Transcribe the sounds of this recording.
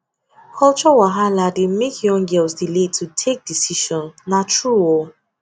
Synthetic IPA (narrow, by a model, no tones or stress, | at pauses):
kʰɔlt͡ʃɔwaɦalademekʰjɔ̃ŋɡɛlsdiletʰutʰek̚disiʃɔ̃nnatʰɹuwɔ